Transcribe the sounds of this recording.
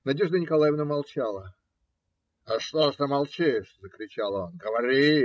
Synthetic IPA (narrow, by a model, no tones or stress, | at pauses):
nɐdʲeʐd̪ənʲɪkɐlˠajɪvnəmɐlˠt͡ɕalˠə | ɐʂt̪oʂnəmɐlˠt͡ɕiszəkɾʲɪt͡ɕalˠonɡəvɐɾʲi